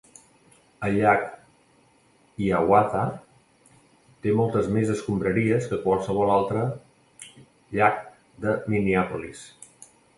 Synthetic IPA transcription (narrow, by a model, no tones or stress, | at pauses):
əʎak | iawaða | t̪emɔlˠt̪əzmezəskumbɾəɾiəskəkwalˠsəβ̞ɔlalˠt̪ɾə | ʎak̚ | d̪əminiapulis